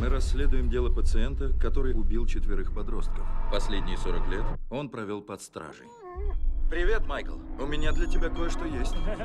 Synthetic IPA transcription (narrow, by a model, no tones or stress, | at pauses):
mɨɾɐsʲːlʲe̞d̪ʊjɪmdʲe̞lˠəpət̪sɨent̪əkɐt̪o̞ɾɨjʊbʲilˠt͡ɕɪt̪vʲɪɾɨxpɐd̪ɾo̞st̪̚kəfpɐsʲlʲedʲnʲɪjso̞ɾəklʲe̞t̪o̞npɾɐvʲo̞lˠpɐt̪st̪ɾa̰ʐɨ̰j | pɾʲɪvʲe̞t̪majkəlˠʊmʲɪnʲad̪lʲətʲɪbʲako̞jəʂt̪ojesʲtʲ